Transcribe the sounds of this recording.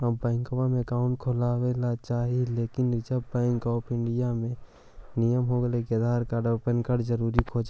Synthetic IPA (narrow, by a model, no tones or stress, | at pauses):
əbɛ̃ːŋkowamẽkaːʊɳʈ̚kʰʊlaːwelat͡ʃaːɦileːkɪnd͡ʒəbːɛ̃ːŋkɔːpɪ̃ɳɖɪjamẽ | nijəmɦoːɡəlekeəd̪ʱaːɾkaɖəpənkəɖd͡ʒəɾuːɾikʰoːd͡ʒ